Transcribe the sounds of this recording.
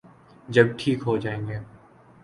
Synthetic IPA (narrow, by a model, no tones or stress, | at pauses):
d͡ʒɐbʈʰiːkɦod͡ʒaːẽːŋɡeː